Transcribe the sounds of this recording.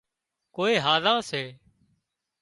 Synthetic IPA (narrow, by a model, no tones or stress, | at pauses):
koːeːɦaːzãːseː